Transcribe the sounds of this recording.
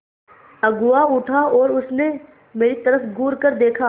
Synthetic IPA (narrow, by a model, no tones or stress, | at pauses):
ɐɡʊaʊʈʰaɔːɾʊsne | meːɾit̪ɐɾəfɡʊːɾkəɾd̪eːkʰaː